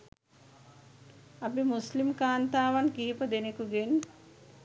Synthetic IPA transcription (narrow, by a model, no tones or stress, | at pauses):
abimuslimkaːnt̪aːʋankiːpəd̪enekuɡen